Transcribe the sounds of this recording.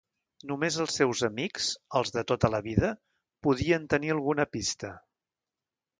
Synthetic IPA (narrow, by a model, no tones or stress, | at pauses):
numezəlˠsɛwzəmikz̥əlˠzðət̪ot̪ələβiðə | puðiənt̪əniəlˠɣunəpist̪ə